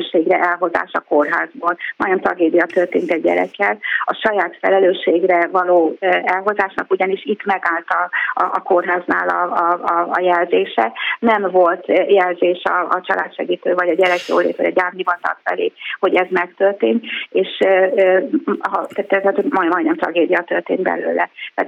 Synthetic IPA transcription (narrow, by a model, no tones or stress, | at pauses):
ʃeːɡrɛʔɛlɦo̞za̰ːʃɒko̞rɦaːzboːlmɒ̰jnɛmt̪rɒɡeːd̪ijɒt̪ørt̪eːnt̪ɛɟ̚ːɛ̰ɾɛ̰kːɛlɒʃɒjaːt̪fɛlɛløːʃːeːɡrɛvɒloːɛlɦo̞zaːʃnɒkuɟɒniʃit̪ːmɛɡaːlt̪ɒɒʔːko̞rɦaːzna̰ːlɒ̰ɒɒ̰jɛlzeːʃɛ̰nɛmvo̞lt̪jɛlzeːʃɒɒt͡ʃɒlʔaːt̪ʃɛɡiːt̪øːvɒɟɒɟɛɾɛkjo̰ːlḛːt̪ʋɒ̰ɟɒɟaːrmnivɒnt̪ɒ̰kfɛ̰leːho̞ɟɛzmɛkt̪ørt̪eːnt̪eːʃ | ɦɒt̪ɛt̪ːɛt̪ɛt̪omɒjmɒjnɛmt̪rɒ̰ɡeːd̪ijɒt̪ørt̪ḛːnt̪bɛ̰lø̰ːlɛ̰t̪ɛaːt̪